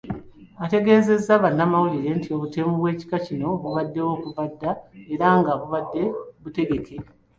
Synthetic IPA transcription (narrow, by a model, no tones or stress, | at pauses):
ate̞ɡe̞ːze̞zːaβanːamawuliɾe̞ntio̞βuteːmuβwe̞ːci̥kacino̞βuβadːe̞wo̞ːkuvadːaeɾaŋɡaβuβadːe̞βute̞ɡe̞kʰe̞